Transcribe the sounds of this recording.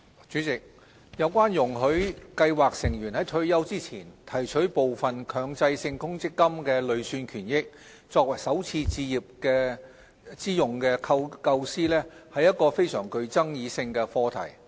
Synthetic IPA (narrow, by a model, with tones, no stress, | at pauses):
t͡ʃyː˨˥t͡sɪ˨k̚ | jɐ˨˧wkʷaː˥njʊ˨˩ŋɦɵ˨˥ɥkɐ˧jwaː˨k̚sɪ˨˩ŋjyː˨˩nhɐ˨˥jt̪ʰɵ˧ɥjɐ˥wt͡siː˥t͡sʰiː˨˩nt̪ʰɐ˨˩jt͡ʃʰɵ˨˥ɥpo˨wfɐ˨nkʰœː˨˧ŋt͡sɐ˧jsɪ˧ŋkʊ˥ŋt͡sɪ˥kːɐ˥mkɛː˧lɵ˨˧ɥsyː˧nkʰyː˨˩njɪ˥k̚ | t͡sɔː˧k̚wɐ˨˩jsɐ˨˥wt͡sʰiː˧t͡siː˧jiː˨p̚kɛː˧ | t͡siː˥jʊ˨ŋkɛː˧kʰɐ˧wkɐ˧wsiː˥lɛː˥hɐ˨jɐ˥t̚kɔː˧fe˥jsœː˨˩ŋkɵ˧ɥt͡sɐ˥ŋjiː˨˧sɪ˧ŋkɛː˧fɔː˧t̪ʰɐ̰˨˩j